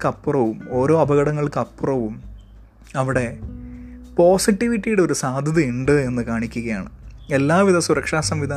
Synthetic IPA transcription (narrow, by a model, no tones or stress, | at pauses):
kɐpːurɐʋumo̞ːɾo̞ːɐbʱɐɣɐɽɐŋːɐɭkɐpːurɐʋum | ɐʋiɽe̞ | po̞ːsiʈːiʋiʈːijuɽe̞oɾusaːd̪ʱɐðiiɳɖɨe̞nːɨkaːɳikʲːuɣɐjaːɳɨe̞lːaːʋiðɐsuɾɐkʂaːsɐmʋid̪ʱa